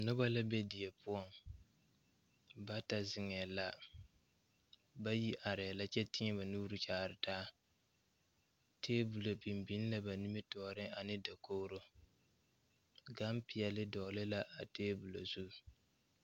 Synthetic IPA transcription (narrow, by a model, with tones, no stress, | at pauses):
nʊ˦ba˦la˦bɛ˦di˨jɛ˨pʊ˦ɔ˦ŋ | ba˦ta˨zɪ˨ŋɛː˨la˦ | ba˦ji˦ʔa˨ɾɛ˨la˦t͡ʃɛ˦tɪ˦ɲɛ˦ba˨nuː˦ɾɨ˦t͡ʃaː˦˨ɾɪ˨taː˦ | tʰeː˦bu˨lo˨bi˨m˨bi˦n˦la˦ba˨ni˦mi˦tɔː˨ɾɪ˦a˨nɪ˦da˨koː˦ɾo˦ | ɡa˦mpi˨ɛ˨lɪ˦dɔ˨lɪ˦la˦ʔa˨teː˦bu˨lo˨zu˦˨